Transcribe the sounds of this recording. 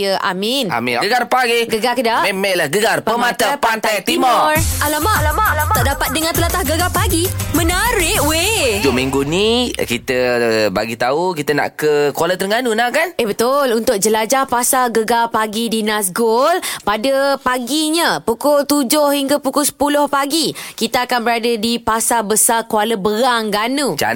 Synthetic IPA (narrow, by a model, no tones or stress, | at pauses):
jəʔa̰mɪna̰mḭnɡəɡarpaɡiɡəɡakədamemɛʔlahɡəɡarpəmat̪apant̪ajt̪imɔrʔalamalamat̪aʔdapat̪̚dəŋãnt̪əlat̪ahɡəɡapaɡimə̃naɾɪʔwed͡ʒumiŋɡunikit̪əba̰ɡit̪aukit̪əna̰ʔkəkwalət̪əɾŋɡanunahkanʔehbət̪ʊlunt̪ʊk̚d͡ʒəlad͡ʒahpasaɡəɡapaɡidinas̬ɡolpadəpaɡiɲəpukolt̪ud͡ʒʊhhiŋɡapukʊsə̥pulʊhpaɡikit̪aakanbəɾadədipasabəsakualəbəɾaŋɡanud͡ʒa̰